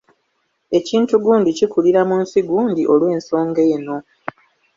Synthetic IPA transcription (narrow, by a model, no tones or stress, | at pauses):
e̞ciːntuɡuːndicikuliɾamunsiɡuːndiʔo̞lwe̞ːnso̞ːŋɡe̞jeno̞